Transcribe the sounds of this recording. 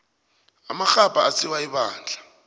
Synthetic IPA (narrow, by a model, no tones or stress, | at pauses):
amaxapʼaat͡sʰʼiwaiɓaːnd͡ɮʱḁ